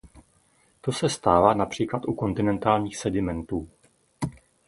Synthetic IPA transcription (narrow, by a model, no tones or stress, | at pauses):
t̪o̞sɛst̪aːvaːnapr̝̥iːklat̪ʔuko̞nt̪ɪnɛnt̪aːlɲiːxsɛdɪmɛnt̪uː